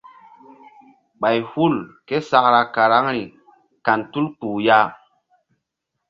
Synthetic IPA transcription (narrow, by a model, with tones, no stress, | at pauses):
ɓa˨jhu˦˨lke˦sa˦kɾa˧ka˨ɾa˦ŋɾi˨ | ka˨ntu˦lk͡puː˨ja˦